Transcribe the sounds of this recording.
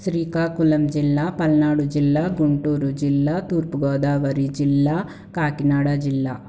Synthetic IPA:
sɾiːkaːkulɐmd͡ʒilːaːpɐlnaːɽud͡ʒilːaːɡuɳʈuːɾud͡ʒilːaːt̪uːɾpuɡoːd̪aːʋɐɾid͡ʒilːa | kaːkinaːɽad͡ʒilːaː

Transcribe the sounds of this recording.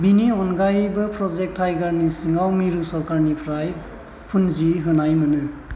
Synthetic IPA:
biniɔnɡajbɯpʰɾɔzek̚tʰːajɡaɾnisiŋawmiɾusɔɾkaɾnipʰɾaj | pʰunziɦɯnajmɯnɯ

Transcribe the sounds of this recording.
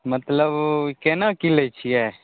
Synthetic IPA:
mət̪ləbkɛnakilet͡ʃʰijɛː

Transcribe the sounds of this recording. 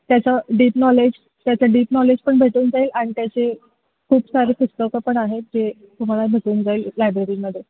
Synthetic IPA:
t̪jat͡səɖiːpnɔled͡ʑ | t̪jat͡səɖiːpnɔled͡ʑpəɳbʱeʈuːnd͡zaiːlaɽ̃it̪jat͡ɕe | kʰuːbsaɾekusʈəkəpəɳaɦed͡ʑe | t̪um̤alabʱeʈuːnd͡zaillajbɾeɾiːməd̪ʱːe

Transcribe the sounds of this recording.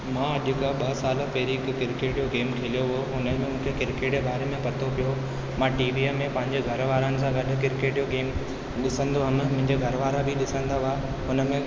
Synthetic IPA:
mãːɐʄʊkaɓɐɦsaːlpɛɦɾikkɪɾkeːʈijoɡeːmkʰeːlijoɦoɦʊnəmẽmʊ̃ːkʰekɪɾkeːʈebaːɾemẽpɐt̪ʰopijo | mãːʈiːʋiːemːẽpɐ̃ɦɪ̃ɲd͡ʑeɡʱɐɾʋaːɾənɪ̆sãɡɐɗʊ̆kɪɾkeːʈjoɡeːm | ɗɪsə̃nd̪oaməmʊ̃ɦɪ̃ɲd͡ʑeɡʱɐɾʋaːɾabʱiɗɪsə̃nd̪aʋaː | ɦʊnəmẽ

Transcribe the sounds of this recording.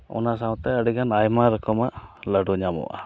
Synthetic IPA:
ɔ̰nasawt̪ɛəɖiɡanajmaɾəkɔmaʔləɖuɲamɔ̰ʔa̰

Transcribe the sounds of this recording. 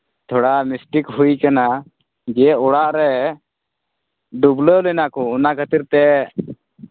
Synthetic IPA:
t̪ʰɔɽamisʈikɦujkana | d͡ʒɛɔɽaʔɾɛ | ɖubləlɛnakɔɔnakʰət̪iɾt̪ɛ

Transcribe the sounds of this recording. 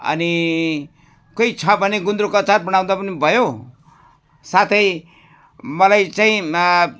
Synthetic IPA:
ʌ̰ni | koit͡sʰʌbʱʌneɡund̪ɾokʌt͡sarbʌɽ̃aw̃d̪apʌnibʱʌjo | sat̪ʰʌj | mʌlajt͡saĩ

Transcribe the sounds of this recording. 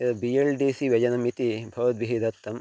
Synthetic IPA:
ɐɐbielɖiːsiʋɐd͡ʒɐnɐmit̪ibʱɐʋɐt̪ʋiɦid̪ɐt̪ːɐm

